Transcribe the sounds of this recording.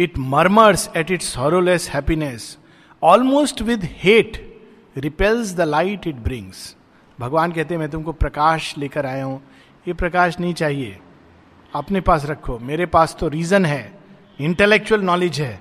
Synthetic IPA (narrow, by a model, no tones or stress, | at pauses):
ɪʈmɐɾməɾsɛʈɪʈshɔːɾoleshɛpines | ɔːlmoːsʈʋɪd̪heːʈ | ɾɪpɛlzd̪əlaɪʈɪʈ̚bɾɪ̃ŋz̥ | bʱɐɡʋaːnkɛɦt̪eɦɛ̃mɛ̃ːt̪̬ʊ̃mkopɾɐkaːʃleːkəɾaːjaɦũː | jepɾɐkaːʃnɐɦĩt͡ʃaːɦiḛː | ɐpnepaːs̬ɾɐkʰːomeːɾepaːst̪oɾiːzənɦɛː | ɪ̃ɳʈelek̚t͡ʃuəlnɔːlɪd͡ʒɦɛː